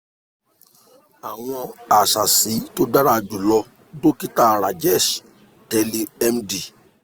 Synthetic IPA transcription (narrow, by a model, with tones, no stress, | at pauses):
a˨w̃ɔ̃˧a˨ʃa˨si˨˦to˦da˦ɾa˦˧d͡ʒu˨lɔ˧ | do˦ki˦ta˦˨ɾa˨d͡ʒɛ˦˨ʃ | tɛ˧li˧ɛ˦mdi˨